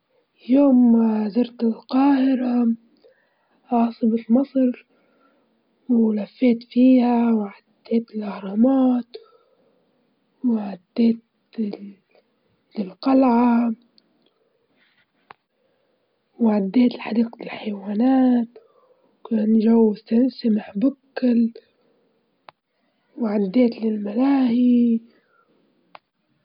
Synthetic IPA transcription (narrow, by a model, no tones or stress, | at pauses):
joːmzɑɾt̪ɪlqɑːhɪɾa | ʔɑːsˤɨbɪlmɑsˤɾ | wlafːeːt̪fiːhawʕad̪ːeːt̪ɪlʔahɾˤɑːmɑːt̪ | wʕad̪ːeːt̪ | ɪlqɑlʕa | wʕad̪ːeːt̪ɪlħad̪iːqt̪ɪlħajwaːnaːt̪ | kaːnʒawːsasamɪħbʊkːɪl | wʕad̪ːeːt̪lɪlmalaːhi